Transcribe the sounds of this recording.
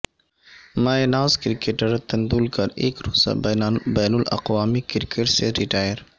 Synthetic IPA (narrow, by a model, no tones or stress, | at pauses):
maːjnaːzkɾɪkeʈəɾt̪ɐnd̪uːlkɐɾeːkɾoːsa̰bɛːnʊlɐ̰qwaːmikɪɾkeʈseɾɪʈaːjəɾ